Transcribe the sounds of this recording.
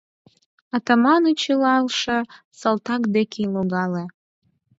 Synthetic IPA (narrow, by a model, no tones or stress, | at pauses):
ɑt̪ɑmɑnut͡ɕilɑlʃɤ̆ | səlˠt̪ɑkd̪ekʲeloɣɑle